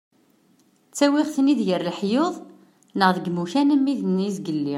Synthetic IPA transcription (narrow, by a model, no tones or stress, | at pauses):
t͡sːæwiʁθniðjəɾlħjoðˤ | nəʁðəɡmuçænəmːiðnizɡəlːi